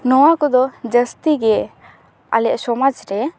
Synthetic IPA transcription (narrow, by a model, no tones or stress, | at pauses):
nɔwakɔd̪ɔd͡ʒəst̪iɡɛ | a̰lɛʔsɔmad͡ʒɾɛ